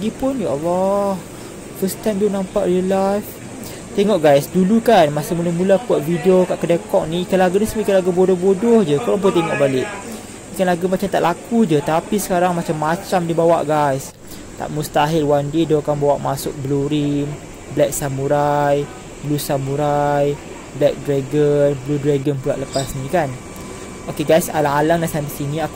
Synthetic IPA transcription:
ɡipʊnjaʔwah | fəst̪ajmdonãmpaʔɾiəlajf | t̪eŋɔʔɡajsdulukanmasəmulamulakuat̪̚vidiokaʔkədakɔk̚nikalaɡunəsmakalaɡubodɔhbodɔhd͡ʒəkoɾɔŋp̬ʊt̪eŋɔʔbalɪʔ | mikanlaɡumat͡ʃamt̪aʔlakud͡ʒət̪apisə̥kaɾaŋmat͡ʃamːat͡ʃamdibawa̰ʔɡajs | t̪a̰ʔmust̪aɦɪlwandidokanbawaʔmasʊk̚bluɾim | blɛk̚samuɾaj | blusamuɾaj | blɛk̚dɾaɡənbludɾaɡənpua̰ʔləpasnĩkan | ʔokeɡajsa̰laŋalaŋdasandisinĩak

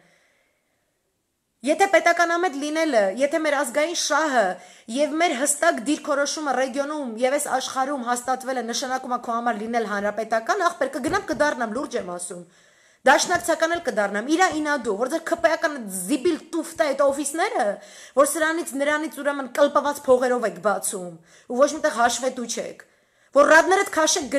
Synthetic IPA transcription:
jɛt̪ʰɛpɛt̪ɑkɑnɑmɛt̪linɛləjɛt̪ʰɛmɛɾɑzɡɑjinʃɑɦəjɛvmɛɾɦəst̪ɑkd̪iɾkʰɔɾɔʃumərɛɡjɔnumjɛvɛsɑ̰ʃχɑɾumɦɑst̪ɑt̪vɛlɛnəʃɑnɑkumɑkʰɔhɑmɑɾlinɛlɦɑnɾɑpɛt̪ɑkɑnɑχpɛɾkəɡənɑmkəd̪ɑrnɑmluɾd͡ʒɛmɑsum | d̪ɑʃnɑkt͡sʰɑkɑnɛlkəd̪ɑrnɑmiɾɑinɑd̪uvɔɾd͡zɛɾkʰəpɛjɑkɑnɛt̪ʰzibilt̪uft̪ɛɛt̪ɔfisnɛɾəvɔɾsəɾɑnit͡sʰnəɾɑnit͡sʰuɾɛmənkəlpəvɑt͡spʰɔʁɛɾɔvɛkʰbɑt͡sʰum | uvɔt͡ʃʰmit̪ɛʁɦɑʃvɛt̪ut͡ʃʰɛ̰kʰ | vɔɾrɑd̪nɛɾət̪kʰɑʃɛk̚ʰɡ

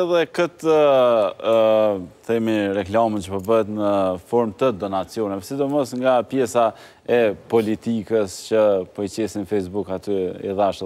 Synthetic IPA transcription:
ɛðɛkət̪ə | θɛmirɛklamənt͡ɕəpəbəɦɛt̪nəfɔɾmt̪əd̪ɔnat͡sjɔnɛvɛsid̪ɔmɔsŋɡapjɛsa | ɛpɔlit̪ikəst͡ɕəpɔjt͡ɕɛsinfɛjsbukat̪yɛ̰ðaʃ

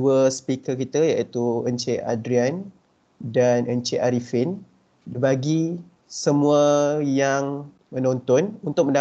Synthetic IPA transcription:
uəspikəkit̪əjait̪uənt͡ʃeʔa̰dɾian | danənt͡ʃeʔaɾifin | dəbaɡi | səmũəjaŋ | mə̃nɔnt̪ɔnunt̪ʊk̚mə̃nda

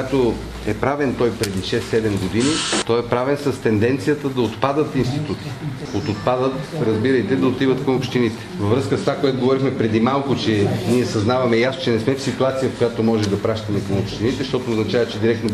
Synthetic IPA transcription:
at̪o | ɛpɾavɛnt̪ɔjpɾɛd̪iʃɛsːɛd̪ɛmɡod̪init̪ɔɛpɾavɛnsɐst̪ɛnd̪ɛnt̪sijət̪əd̪ɐot̪pad̪ət̪inst̪it̪ut̪i̥ | ot̪ot̪̚pad̪ət̪ɾɐzbiɾɐjt̪ɛd̪ɐot̪ivət̪kɐmopʃt̪init̪ɛ̥vɐvɾɤskəst̪vakojɛt̪oɡovɔɾixmɛpɾɛd̪imalˠkʊt͡ʃɛniɛsɐznavɐmɛjasot͡ʃɛnɛsmɛfsit̪uat̪sijəfkojat̪omɔʒɛd̪ɐpɾaʃt̪ɐmɛkɐmopʃt̪init̪ɛʃt̪ɔt̪oːznɐt͡ʃavɐt͡ʃɛd̪iɾɛk̚t̪no

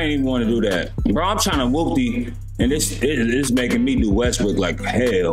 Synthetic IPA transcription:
ɪ̃ntivə̃nwɑ̃nɨdəðæt̚b̥ʌɾãɪ̃mtʰɹ̥ãɪɪ̃nəwʊk̚ti | ɨ̃nɪsɪɪzmeɪkɪ̃ŋmiduwɛst̚wɪdlaɪkhɛɪl

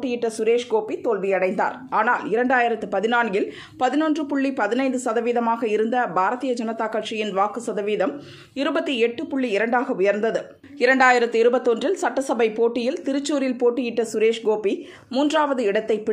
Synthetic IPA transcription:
ʈːɪjɪʈːɐsʊɾeːʂɡoːpːit̪ːoːlʋijɐɽɐɪnd̪a̰ːɾ | aːnaːlɪɾɐɳɖaːjɪɾɐt̪ːɯpɐðɪnaːnɡɪl | pɐðɪnondrɯpʊɭːipɐðɪnɐɪnd̪ɯsɐðɐʋiːðɐmaːɣɐɪɾɯnd̪ɐbʱaːɾɐt̪ijɐd͡ʒɐnɐt̪ːaːkɐʈʂɪjɪnʋaːkɯsɐðɐʋiːðɐm | ɪɾɯbɐt̪ːiɛʈːɯpʊɭːiɪɾɐɳɖaːɣɐʊjɐɾnd̪ɐðɯ | ɪɾɐɳɖaːjɪɾɐt̪ːɯɪɾɯbɐt̪ːɔndrɪlsɐʈːɐsɐbɐɪpoːʈːɪjɪlt̪ɪɾɯt͡ʃːuːɾɪlpoːʈːɪjɪʈːɐsʊɾeːʂɡoːpːi | muːndraːʋɐðɯɪɽɐt̪ːɐɪpːɪ

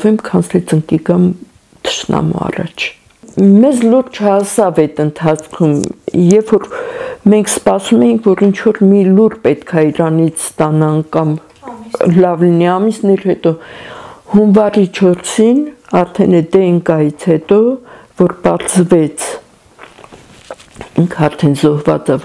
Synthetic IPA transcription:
vɛmkʰɑnsɛt͡səŋkikɑm | t̪ʰə̥ʃnɑ̰mṵɑ̰rɑ̰t͡ʃʰ | mɛzluɾt͡ʃʰɑsɑvɛt̪ənt̪ʰɑt͡sʰkʰumjɛfːɔɾmɛŋkʰspɑsumɛjiŋkʰvɔɾint͡ʃʰvɔɾmiluɾpɛt̪kʰɑiɾɑnit͡sʰst̪ɑnɑnkɑm | lɑvliniɑmisnɛɾhɛt̪ɔ | hunvɑrit͡ʃʰɔɾsinɑɾt̪ʰɛnɛd̪ɛəŋkɑjit͡sʰhɛt̪ɔvɔɾpɑɾzvɛt͡sʰ | iŋkʰɑɾt̪ʰɛnzɔhvɑ̰t͡sɑv

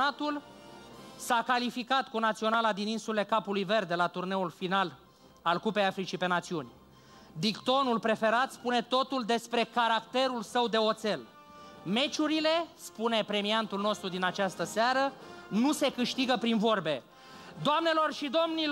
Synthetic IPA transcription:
at̪ul | sakalifikat̪kunat̪sio̞nalad̪ininsule̞kapulujve̞rd̪elat̪urne̞ulfinal | alkupe̞jafɾit͡ʃipe̞nat̪siunʲ | d̪ikt̪o̞nulpɾe̞fe̞ɾat̪spune̞t̪o̞t̪uld̪e̞spɾe̞kaɾakt̪e̞ɾulsəwd̪e̞o̞t̪se̞l | me̞t͡ʃuɾile̞spune̞pɾe̞miant̪ulno̞st̪ɾud̪inat͡ʃast̪əsaɾənuse̞kɨʃt̪iɡəpɾinvo̞rbe̞ | d̪oamne̞lo̞rʃid̪o̞mnil

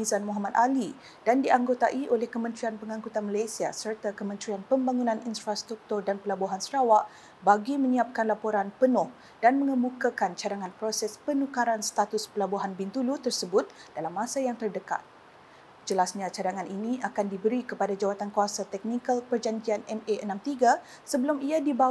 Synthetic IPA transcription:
izanmɔɦamat̪̚ali | d̥andiaŋɡot̪aʔiʔolɛhkəmə̃nt̪ɾianpəŋãŋkut̪anmalajsiasərt̪akəmənt̪ɾianpəmbaŋunãninfɾast̪ɾuk̚t̪ʊrdanpəlabuɦansəɾawaʔ | baɡimə̃ɲiap̚kanlapoɾanpənʊh | d̥anmə̃ŋəmukakant͡ʃadaŋãnpɾosɛspənukaɾanst̪at̪ʊspəlabuɦanbint̪ulut̪ərsəbʊt̪̚dalamːãsajaŋt̪ərdəka̰t̪̚ | d͡ʒəlasɲãt͡ʃadaŋanʔiniakandibəɾikəpadad͡ʒawat̪ankuasat̪ɛk̚nikalpərd͡ʒaɲd͡ʒianɛmeʔənãmt̪iɡa | səbəlumiadiba

